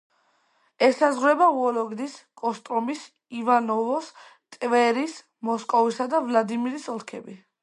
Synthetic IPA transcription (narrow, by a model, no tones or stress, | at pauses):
ɛsazʁɾɛbauɔlɔɡd̪iskʼɔst̪ʼɾɔmis | ivanɔvɔst̪ʼvɛɾis | mɔskʼɔvisad̪avlad̪imiɾisɔlˠkʰɛbi